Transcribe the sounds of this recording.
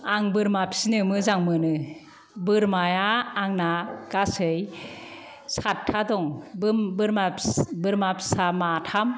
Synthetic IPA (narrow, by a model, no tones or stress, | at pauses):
aŋbɯɾmapsinɯmɯzaŋmɯnɯ | bɯɾmajaːŋnaɡ̥asɯj | satʰːadɔŋbbɯɾmabɯɾmapʰsamatʰam